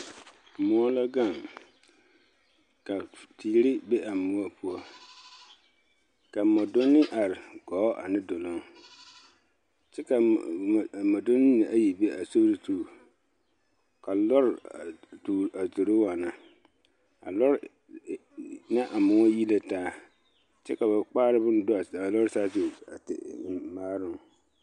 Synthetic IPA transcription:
mʊ˦ɔ˦la˦ɡa˦˨ŋ | ka˨tʰiː˨˦ɾɪ˦be˦a˨mʊ˦ɔ˦pʰʊ˦ɔ˦ | ka˨mɔ˨dʊ˦nːɪ˦ʔa˨ɾɪ˨ɡɔː˨˦ʔa̰˨nɪ˦do˨lʊ˦ŋ | t͡ʃɛ˦ka˨ | mɔ˨dʊ˦nɪ˦nɪ˨ʔa˦ji˨be˦a˨so˦ɾi˦tuː˨ | ka˨lɔ˦ɾa˨tu˨a˨so˨ɾo˦wa˨na˨ | a̰˨lɔ˦ɾ | na˦ʔa˨mʊ˨ŋɔ˦ji˦le˦taː˦ | t͡ʃɛ˦ka˨ba˨k͡paː˦ɾɪ˦bʊ˦n˦dʊ˦˨a˨lɔ˦ɾsaː˦so˨a̰˨tɪ̰˨˦maː˦ɾʊ˦˨ŋ

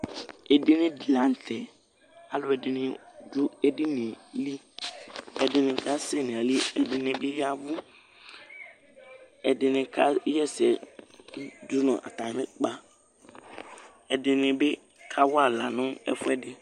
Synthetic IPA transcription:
ɛ˨dɪ˦nɪ̃˦di˨la˨n̩˨tʰɛ˨ | a˨lʊ˦ɛ˨dɪ˨nɪ˨d͡ʒu˦ɛ˦dɪ˦nɪ̃˨li˦ | ɛ˨dɪ˦nɪ̃˨ka˦se˦˨nɪ̃˨a˨li˦ɛ˨dɪ˨nɪ̃˨bɪ˦ja˦vʊ˦ | ɛ˨dɪ˨nɪ̃˨kʰa˦jɛ˦sɛ˨˦ | d͡ʒʊ˦nɔ̃˨ʔa̰˨t̪a˨˦ɪ̃˦k͡pa˦ | ɛ˨dɪ˨nɪ̃˨bɪ˦ | kʰa˦wʊ˦a˨la˨nʊ̃˦ɛ̰˦fʊ˦ɛ˦dɪ˨

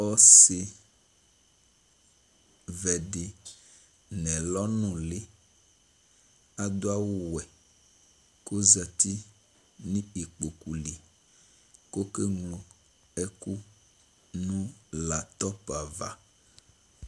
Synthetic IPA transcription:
ɔ˦se˨ | vɛ˨ɖe˨ | nɛ̃˨lɔ˦nũ˨le˦ | a˨d̪o˦a˦wo˦wɛ˨ | ko˦za˨t̪i˦ | nĩ˦e˨k͡po˨ku˨li˨ | ko˦ke˦ŋlo˨ | ɛ˦ku˦ | nũ˦la˨t̪ɔ˦pa˨va̰˨

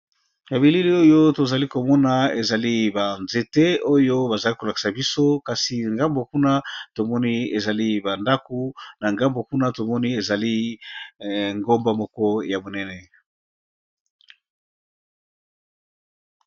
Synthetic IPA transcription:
ja˨βi˨li˦li˦o˦jo˦to˨za˨li˦ko˨mɔ˦na˨e˨za˨li˦ba˨nze˨te˦o˦jo˦ba˨za˨li˦ko˨la˨ki̥˨sa˨bi˦so˦ka˨si˨ŋɡa˦mbo˨ku˦na˦to˨mɔ˦ni˦e˨za˨li˦ba˨nda˦ko˦na˨ŋɡa˦mbo˨ku˦na˦to˨mɔ˦ni˦e˨za˨li˦ | ŋɡo˦mba˦mɔ˦kɔ˦ja˨bo˨nɛ˦nɛ˨

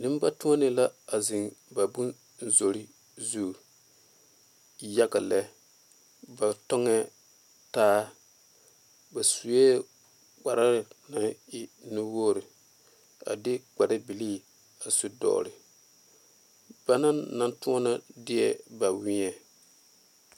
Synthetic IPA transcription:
nɪ˦m˦ba˦tũ˦ɔ˦nɪ˨la˦a˨zi˨ŋba˨bu˦n | n̩˦zo˨ɾi˦ | zu˦˨ | ja˦ɡa˨lɛ˦ | ba˨tɔ˦ŋɛ˦ | taː˦ | ba˨su˨e˦ | k͡pa˨ɾa˦ɾɪ˨na˨ɪ˦nu˦wo˦˨ɾi˨ | a̰˨dɪ˦ɡ͡ba˨da˦bi˨li˦ | a˨su˦dɔ̰ː˨ɾɪ˨ | ba˦na˦nːa˦ntu˦ɔ˦na˦dɪ˦ɛ˦˨ba˨wɪ˦ɲɛ˨

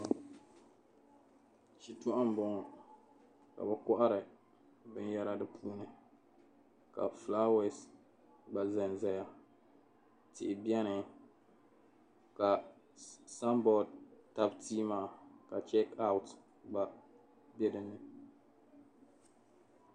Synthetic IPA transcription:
t͡ʃi˨tʊ˦ʔa˦m˨˦bɔ˦ŋ˦ | ka̰˨bɛ˨kɔ˦ʔa˦ɾɨ˨ | bɨ˦n˦jɛ˦ɾa˦dɨ˦pʰuː˦nɨ˨ | ka̰˨flaː˦we˨s | ɡ͡ba˨zɛ˨n˨zɛ˨ja˦ | tɪ̰˨ʔɪ˨bi˦ɛ˦nɨ˨ | ka˨ | sa˦mbɔ˨d̚ta˦btiː˦maː˨ka˨t͡ʃɛ˦ka˦ʊ˦t | ɡ͡ba˨ | bɛ˦dɨ˨nːɨ˨

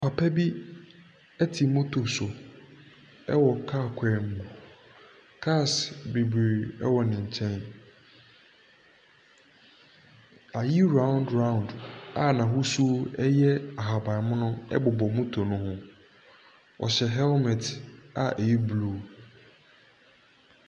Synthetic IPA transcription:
pʰa˨pʰɛ˦bi˦ | ɛ˦tʰi˨mʊ̃˦tʰo˨sʊ˨ | ɛ˦wɔ˨kʰa˦˨kʷʰɛ˨m̩˨bu˨ | kʰa˦˨sbe˨bi˨ɛ̰˦wɔ˨nɪ̃˨ɲ̩˨t͡ɕʰɛ̃˦n | a˨ji˦ɾã˦ʊ̃˦ndɹã˦˨ʊ̃˨nda˨nã˨ɦʊ˦su˦ɛ˦jɛ˦a˨ɦa˨ba˨mʊ̃˦nʊ̃˦ɛ̰˦bʊ˨bɔ˨mũ˦tʰo˨nʊ̃˦hʊ̃˦ | wʔɔ̰˨ɕɛ˨ɦɛ˦lmɛ̃˨tʰa̰˨ʔɛ˨ji˦bluː˨

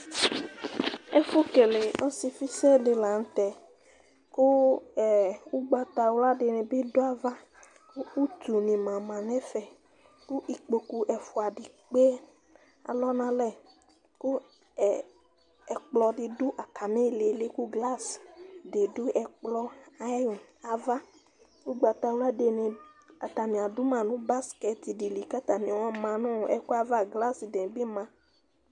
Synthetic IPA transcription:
ɛ˦fo˦ke˨le˨ɔ̃˦si˨fi˦sɛ˦ɖe˨la˨ŋ̩˦t̪ɛ˨ | ku˦˨ | wu˦ɡ͡ba˦t̪a˨wla˦ɖe˨nɛ̃˨be˦do˦a˦va˦ | ku˦u˦t̪u˨nĩ˨mã˨mã˨nɛ̃˦fɛ˨ | ku˦ʔi˨k͡po˨ku˨ʔɛ˨fo˨a˨ɖi˨ | k͡pe˦ | a̰˨lɔ˦nã˦lɛ˦˨ | ku˦˨ | ɛ˨k͡plɔ˨ɖi˨du˦ʔa˨ka˨mẽ˦˨le˨le˦ku˦ɡla˦sde˨du˦ʔɛ˨k͡plɔ˦a˨˦u˨ | a˨va˦ | wu˦ɡ͡ba˨t̪a˨wu˦a˦de˨nẽ˨a˨t̪a˨nĩ˨a˨du˦mã˨nũ˦ba˦skɛ˨t̪i˨ɖi˨li˨ka˦t̪a˨nĩ˨wɔ̃˦mã˨nũ˦˨ʔɛ˦ku˦a˦va˦ɡla˦sdẽ˨bi˦mã˨

